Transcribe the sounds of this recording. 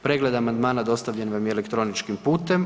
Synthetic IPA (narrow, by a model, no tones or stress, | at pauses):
pɾeɡled̪amand̪maːnad̪o̞st̪aʋʎenʋamiele̞kt̪ɾo̞nit͡ʃkimpuːt̪em